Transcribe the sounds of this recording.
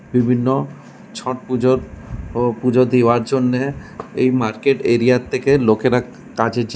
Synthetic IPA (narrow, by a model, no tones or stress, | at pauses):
bibʱinːo | t͡ɕʰɔʈ̚pud͡ʑoɾ | pud͡ʑod̪iwaɾd͡ʑonːeejmaɾkeʈeɾijaɾt̪ʰːekelokeɾa | kad͡ʑʱed͡ʑ